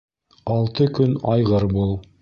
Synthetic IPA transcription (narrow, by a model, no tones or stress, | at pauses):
ɑlˠt̪ɤkɵnɑjʁɤɾbulˠ